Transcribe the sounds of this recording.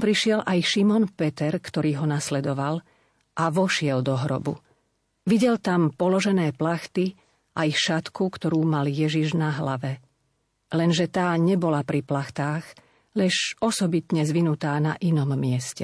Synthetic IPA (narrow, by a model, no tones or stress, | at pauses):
pɾiʃɪɛlʔajʃimɔnpɛt̪ɛɾkt̪ɔɾiːɦɔnaslɛd̪ɔʋal | ʔaʋɔʃɪɛld̪ɔɦɾɔ̰bṵ | ʋiɟɛlt̪ampɔlɔʒɛnɛːplaxt̪i | ʔajʃat̪kukt̪ɔɾuːmaljɛʒiʒnaɦlaʋɛ | lɛnʒɛt̪aːɲɛbɔlapɾiplaxt̪aːɣ | ʎɛʃɔsɔbit̪ɲɛzʋinut̪aːna̰ʔinɔmːɪɛscɛ̰